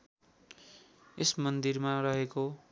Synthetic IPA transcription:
esmʌnd̪irmarʌɦeko

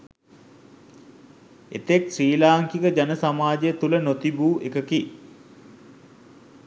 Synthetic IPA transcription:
ḛt̪eksriːlaːŋkikəd͡ʒanəsamaːd͡ʒejət̪ulənot̪ibuːʔekəki

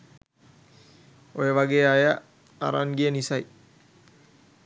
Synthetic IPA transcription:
ojəʋaɡeːaja | a̰ɾa̰nɡiənisɐj

